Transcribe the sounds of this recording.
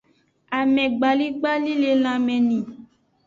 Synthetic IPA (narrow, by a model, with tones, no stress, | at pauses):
a˨mɛ̃˨ɡ͡ba˨li˦ɡ͡ba˦li˦le˧l̃ã˧mɛ̃˨nĩ˨